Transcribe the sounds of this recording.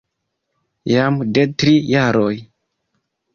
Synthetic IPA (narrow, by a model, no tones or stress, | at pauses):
jamdetɾijaɾoj